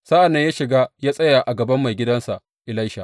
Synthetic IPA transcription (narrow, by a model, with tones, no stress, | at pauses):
sa˦ʔa˨nːɐ˦jaː˦ʃɪ˨ɡaː˦jaː˦sʼɐ˦ja˨ʔa˨ɡɐ˨bɐ˦mːa˨jɡʲɪ˦dɐ˦nsa˨ʔ | ʔɪ˨la˦jʃa˨ʔ